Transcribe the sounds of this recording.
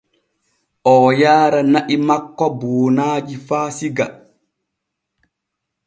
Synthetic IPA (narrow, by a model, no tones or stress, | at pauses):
ʔɔːjaːɾanaʔimakːɔboːnaːd͡ʒifaːsiɡa